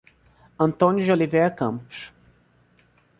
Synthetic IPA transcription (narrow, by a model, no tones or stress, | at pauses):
ɐ̃nt̪õnjʊd͡ʒolivejɾɐkɐ̃mpʊ̥ʃ